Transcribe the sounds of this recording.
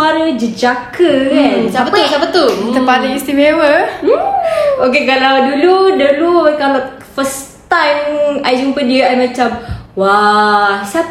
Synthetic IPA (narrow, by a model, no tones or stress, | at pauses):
aɾəd͡ʒəd͡ʒakəkansapət̪usapət̪uəpadaist̪imewə | okekalawduludəlukala | fəst̪ajmajd͡ʒumpədiəajmãt͡ʃamwa | sap